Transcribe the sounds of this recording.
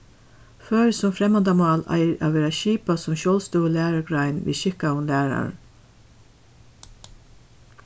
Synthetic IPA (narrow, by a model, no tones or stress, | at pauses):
fœːɹsɔmfɾɛmɑnd̪ɑmɑːlæ̰ɪʔɑ̰ʋeːɾaʃiːpasɔmʃoːlst̪uːəlæːɹəɡɹɑɪnʋḭːʃɪkaʊnlæːɹa̰ɹn